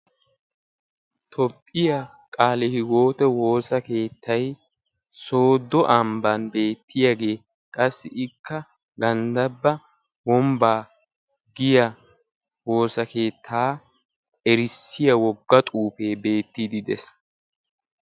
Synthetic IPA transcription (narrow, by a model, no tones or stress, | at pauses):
t̪ʰɔpʼːɪja | kʼaːlɛhɪɡo̞ːt̪ɛwo̞ːsɐke̞ːt̪ʰːɐj | so̞ːd̪ɔʔɐmbɐnbe̞ːt̪ʰːɪjaɡe̞ː | kʼɐsːɪʔɪkːɐ | ɡɐnd̪ɐbːɐ | wɔmbaː | ɡɪjɐ | wo̞ːsɐke̞ːt̪ʰːaː | ɛɾɪsːɪjɐwɔɡːɐt̪ʼuːpe̞ːbe̞ːt̪ːid̪ɪd̪ɛ̰s